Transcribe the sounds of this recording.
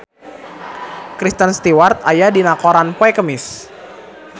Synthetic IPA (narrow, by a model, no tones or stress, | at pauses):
kɾist̪ənst̪iwart̪̚ajadinakɔɾanpwɛkəmɪs